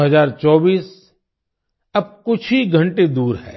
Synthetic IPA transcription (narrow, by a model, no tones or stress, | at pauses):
ɦɐzaːɾt͡ʃɔːbiːs | ɐb̚kʊt͡ʃʰiɡʱɐ̃ɳʈed̪uːɾɦɛ̰ː